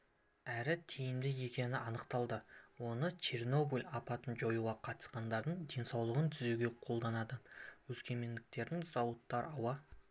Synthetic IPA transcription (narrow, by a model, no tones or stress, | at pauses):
æɾɪt̪ʰijɪmd̪ɪje̞kʲe̞nɪʔɑnəqt̪ɑlˠd̪əwo̞nət͡ʃʰerno̞bulʲɑpɑt̪ənʒo̞juʁɑqʰɑt̪ə̥sqɑnd̪ɑɾd̪əɴd̪e̞nsɑwlˠəʁənt̪ʰʏzeɡʲe̞qʰo̞lˠd̪ɑnɑd̪əwɵskʲe̞me̞nd̪ɪk̚t̪e̞ɾd̪ɪŋz̥ɑwət̪ːɑɾɑwɑ